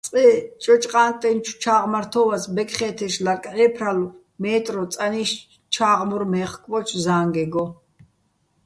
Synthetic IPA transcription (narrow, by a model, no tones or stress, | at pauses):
t͡sʼɛt͡ʃʼɔt͡ʃʼqʼaːnt̪ʼɛnt͡ʃʰwt͡ʃʰaːʁmaɾt̪ʰɔvasbɛkʰʼχɛːt̪ʰɛʃlaɾkʼʕɛːpʰɾalu | mɛːt̪ʼɾɔsʼaniʃ | t͡ʃʰaːʁmuɾmɛːχkʼvɔt͡ʃʰzaːŋɡɛɡɔ